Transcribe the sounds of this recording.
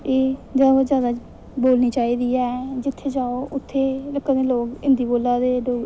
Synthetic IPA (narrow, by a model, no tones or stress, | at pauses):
eːd͡ʒaːɦoːzjaːd̪aː | boːlniːt͡ʃaːiːd̪iːɛːd͡ʒɪt̪ʰːeːd͡ʒaːoːʔʊt̪ʰːeːləkːad̪eːloːkɪ̃nd̪iːboːlːaːd̪eːɖoː